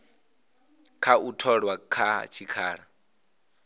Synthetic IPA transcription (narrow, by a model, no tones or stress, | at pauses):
kʰautʰɔɺwakʰat͡ʃʰikʰaːɺa